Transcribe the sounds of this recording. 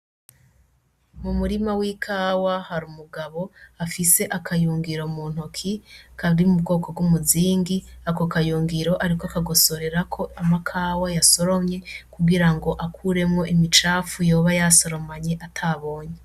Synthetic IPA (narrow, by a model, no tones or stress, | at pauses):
mumuɾimawikʰaːwahaɾumuɡaβo̞afise̞ʔakʰajuːŋɡiɾo̞muːn̥hukʰikʰaɾimubɡo̞ːko̞b̚ɡumuziːŋɡiakokajuːŋɡiɾo̞ʔaɾikoakaɡo̞so̞ɾe̞ɾakʰo̞amakʰaːwajaso̞ɾo̞mɲe̞kuɡiɾaŋɡo̞ʔakʰuɾe̞mŋo̞ʔimit͡ʃaːfujo̞ːβajaso̞ɾo̞maɲeʔatʰaβo̞ːɲe